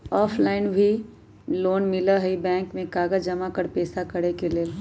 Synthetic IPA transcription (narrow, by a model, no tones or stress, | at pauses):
ɔːpʰlaːɪnbʱi | loːnmɪlaɦibɛ̃ːŋkmẽkaːɡəd͡ʒɐmakəɾpeːsakɐɽekele